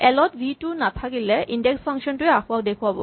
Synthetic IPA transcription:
ɛlɔtbʱitunat̪ʰakilɛʔindeksfaŋkʃɔntuɛaxʰuawd̪ekʰuabɔ̰

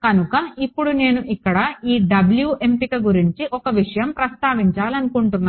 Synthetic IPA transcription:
kɐnukɐipːuɽune̞ːnuʔikːɐɽɐiːɖɐbljuːʔe̞mpikɐɡuɾiɲt͡ʃiʔɔkɐʋiʂɐjɐmpɾɐst̪aːʋiɲt͡ʃaːlɐnukuɳʈunːaː

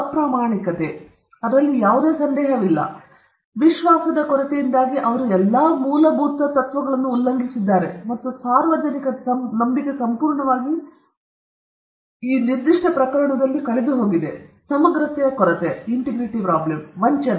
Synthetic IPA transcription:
ɐpɾaːmaːɳikɐt̪e̞ | ɐd̪ɾɐlːijaːʋud̪eːsɐnd̪ɛːɦɐʋilːɐ̰ | ʋiʃʋaːsɐd̪ɐkɔɾɐt̪ejind̪aːɡiʔɐʋɐɾuɛlːaːmuːlɐbʱuːt̪ːɐt̪ɐt̪ʋɐɡɐɭɐnːuːlːɐŋɡisid̪ːaːɾe̞mɐt̪ːusaːɾʋɐd͡ʒɐnikɐɐnɐmbiɡe̞sɐmpuːɾɳɐʋaːɡi | iːniɾd̪iʂʈɐpɾɐkɐɾɐɳɐd̪ɐlːikɐɭed̪uɦo̞ːɡid̪e̞sɐmɐɡɾɐt̪ɛjɐkɔɾɐt̪eiɳʈiɡɾiʈipɾaːblemʋɐɲt͡ʃɐ

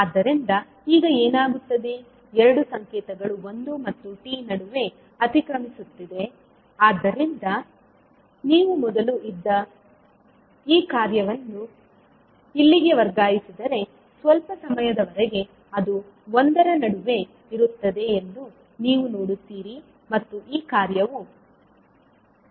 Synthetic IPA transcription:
aːd̪ːɐɾind̪ɐ | iːɡɐeːnaːɡut̪ːɐd̪e̞ | ɛɾɐɽusɐŋkɛːt̪ɐɡɐɭuond̪umɐt̪ːuʈiːnɐɽuʋe̞ | ɐt̪ikɾɐmisut̪ːid̪e̞ | aːd̪ːɐɾind̪ɐ | niːʋumɔd̪ɐluʔid̪ːɐ | iːkaːɾjɐʋɐnːu | ilːiɡe̞ʋɐɾɡaːjisid̪ɐɾe̞ | sʋɐlpɐsɐmɐjɐd̪ɐʋɐɾeɡe̞ | ɐd̪u | ond̪ɐɾɐnɐɽuʋe̞ | iɾut̪ːɐd̪e̞ːnd̪u | niːʋunoːɽut̪ːiːɾi | mɐt̪ːuʔiːkaːɾjɐʋu

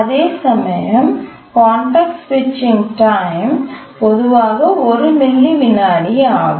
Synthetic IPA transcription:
ɐðeːsɐmɐjɐm | kaːɳʈɐːk̚ʈsʋɪt͡ʃːɪŋɡʈaːɪmpɔðɯʋaːɣɐɔɾɯmɪlːiʋɪnaːɽiaː

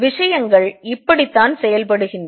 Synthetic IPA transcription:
ʋɪʂɐjɐŋɡɐɭɪpːɐɽit̪ːaːnsɛjɐlpɐɽɯɣɪnr

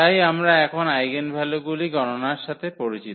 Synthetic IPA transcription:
ajamɾaɛkʰonajɡenbʱɛloɡuliɡɔnonaɾʃat̪ʰepoɾit͡ɕit̪

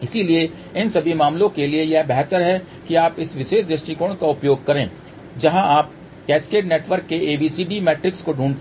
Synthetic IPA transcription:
ɪsilie | ɪnsɐbʱimaːmlõkeliejɛbɛɦt̪əɾɦɛ | kiaːpɪsʋɪʃeːʃd̪ɾɪʃʈikoːɽ̃kaʊpjoːɡ̚kɐɾẽː | d͡ʒɐɦãʔaːp̚ | kɛːskeːʈneːʈʋəɾkːeʔeːbiːsiːɖimɛːʈɾɪkskoɖʱuːn

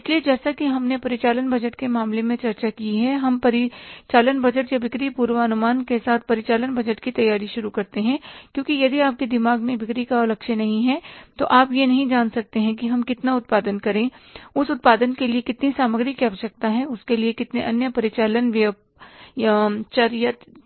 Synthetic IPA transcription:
ɪslied͡ʒɛːsakiɦɐmnepɐɾɪt͡ʃaːlənbɐd͡ʒəʈkemaːmlemẽt͡ʃɐɾt͡ʃakiɦɛɦɐmpɐɾɪt͡ʃaːlənbɐd͡ʒəʈjabɪkɾipuːɾʋaːɐnʊmaːnkesaːt̪ʰpɐɾɪt͡ʃaːlənbɐd͡ʒəʈkit̪ɐjaːɾiʃʊɾukɐɾt̪eɦɛ̃kjõːkijɐd̪iaːp̚kid̪ɪmaːɡmẽʋɪkɾikaɔlɐkʃənɐɦĩɦɛt̪oʔaːpjenɐɦĩd͡ʒaːnsɐk̚t̪eɦɛ̃k̬iɦɐmkɪt̪naʊt̪̚paːd̪ənkɐɾẽʊsʊt̪̚paːd̪ənkeliekɪt̪nisaːməɡɾikiaːʋəʃɐk̚t̪aɦɛ̃ʊskeliekɪt̪neʔɐnjəpɐɾɪt͡ʃaːlənʋə | jt͡ʃɐɾjət̪

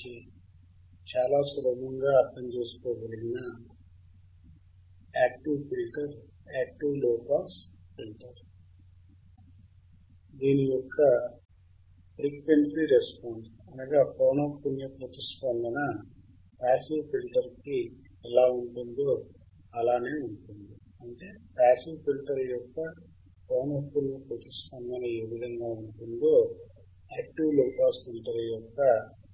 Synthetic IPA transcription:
i | t͡ʃaːlaːsulɐbɐŋɡaːɐɾt̪ɐmt͡ʃeːsu̥koːʋɐliɡinɐ | aːk̚ʈiʋpilʈɐɾ | aːk̚ʈiʋlɔːpaːspilʈɐɾu | d̪iːnijɔkʰːɐ | pɾikʋeɳʈɾiɾespaːns | ɐnaɡapoːnoːpunjɐpuːt̪ispɐnd̪ɐnɐ | paːsiʋpilʈɐɾki | ɛlaːuɳʈund̪o̞ː | ɐlaːne̞ːuɳʈund̪i | ɐɳʈe̞ːpaːsiʋpilʈɐɾɐjɔkːɐ | poːnɐt̪unjɐpoːt̪ispɐnd̪ɐnɐeːʋid̪ʱɐŋɡaːuɳʈund̪oː | aːk̚ʈiʋloːkaːspilʈɐɾɐjɔkːɐ

